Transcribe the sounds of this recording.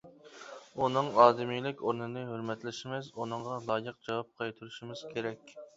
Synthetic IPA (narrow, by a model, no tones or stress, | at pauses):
unɨŋɑːd̪ɪmijlɪkʲoɾnɨnɨhøɾmɛt̪lɪʃɪmɪzunɨɴʁɑlˠɑːjəq̚d͡ʒɑwɑp̚qʰɑjt̪ʰuɾuʃimɪz̥kʲʰeɾɛkʲ